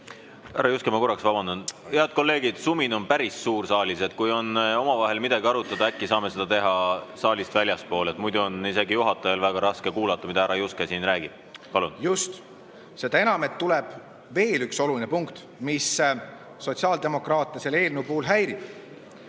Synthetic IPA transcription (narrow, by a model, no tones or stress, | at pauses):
hæɾɑjuskemɑkoɾɑksvɑb̥ɑnd̪ɑnd̪̥eɑd̪̥̚ko̞lːe̞ːɡ̥id̪̥sumino̞npæɾissuːrsɑːlʲise̞t̪̚kujo̞no̞mɑvɑɦe̞lmid̪̥ɑɡiɑɾut̪ːˑɑd̪̥ɑækːisɑːme̞se̞d̪̥ɑt̪e̞ɦɑsɑːlist̪vælʲjɑspo̞ːle̞t̪mujd̪uo̞nise̞ɡijuɦɑt̪ːˑɑjɑlvæɡ̥ɑɾɑske̞kuːlɑt̪ːˑɑmid̪ɑæɾɑjuskesiːnrɾæːɡ̥ib̥̚pɑlunjust̪ | se̞d̪̥ɑe̞nɑmet̪ːulɛb̥ | ve̞ːlykso̞lulinepuŋkt̪ | mis | so̞tsiɑːld̪̥e̞mo̞krɑːt̪ˑːɑsele̞ːlnupuːlɦæjɾib̥